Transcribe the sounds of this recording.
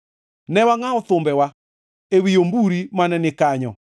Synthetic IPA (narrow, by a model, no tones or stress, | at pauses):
nɛwaŋaoθombɛwa | ewiombuɾimanɛnekaɲɔ